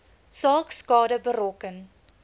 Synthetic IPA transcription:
sɑːkskɑːdəbəɾɔkən

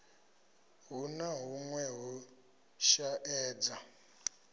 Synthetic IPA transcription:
ɦunaɦuŋwɛɦu | ʃaʔɛːd͡za

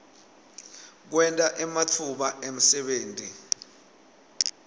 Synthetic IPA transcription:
k̬wɛntʼaʔɛmat͡fʰuɓaʔem̩sɛɓeːntʼi

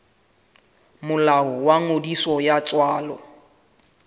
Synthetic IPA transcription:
mʊlaɦɔwaŋodisɔjat͡sʼwaːlɔ

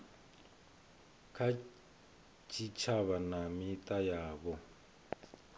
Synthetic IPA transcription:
kʰa | t͡ʃʰit͡ʃʰaβanamitʼajaːβɔ

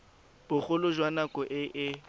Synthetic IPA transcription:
b̥ʊχʊlʊʒwanakʼɔʔɪʔɪ

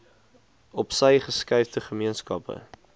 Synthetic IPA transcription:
ɔpsəjχəskəjfdəχəmiənskɐpə̰

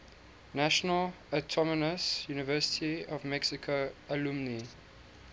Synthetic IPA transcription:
naʃənəl | ətʰɔmənəsjuːnɪvɜːˑsɪ̥tʰiɔvmɛksɪkʰoəlũmni

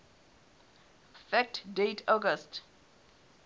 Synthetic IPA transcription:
fɛk̚tdetʰɔɡəst

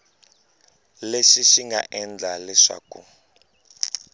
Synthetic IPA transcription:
leʂiʃiŋɡa̰ʔɛnd͡ɮʱalɛʂa̰ːku

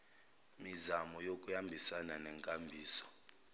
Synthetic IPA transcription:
mizamɔjokʼujambʱisananɛŋkʼambʱiːsɔ̥

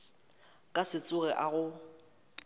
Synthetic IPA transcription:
kʼasɪt͡sʼʊɣɛʔaɣʊ

